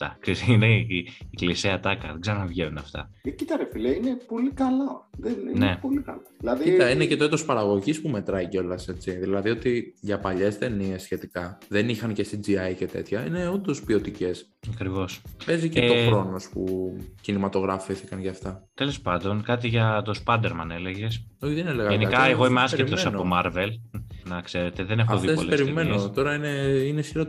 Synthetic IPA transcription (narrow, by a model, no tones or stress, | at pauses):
ɐ̰ksesineiːkliseɐt̪ɐkɐðeɡzɐɾonɐvʝeunɐft̪ɐ̰cit̪ɐɾefileinepo̞likɐloðeninepolikɐ̰lolɐiit̪ɐinece̞t̪o̞it̪o̞spɐɾɐɣo̞ʝispume̞t̪ɾɐiceo̞lɐse̞t͡siðilɐðio̞t̪iʝɐpɐʎe̞st̪e̞nie̞sːçe̞t̪ikɐðe̞nixɐnce̞st̪id͡ziɐjce̞t̪e̞̰t̪çɐḭne̞ond̪o̞spio̞t̪ice̞s | ɐkɾivo̞spe̞ziceoxɾo̞no̞spucinimɐt̪o̞ɣɾɐfiθikɐnʝɐːft̪ɐt̪elo̞spɐnd̪o̞nkɐt̪iʝɐt̪o̞spɐd̪eɾmɐne̞le̞ʝe̞soçiðeneleɣɐʝenikɐeɣo̞imeɐseit̪osɐnomɐɾve̞lnɐkse̞ɾe̞t̪eðene̞xoðfiepolepeɾimennot̪o̞ɾɐineinesiɾo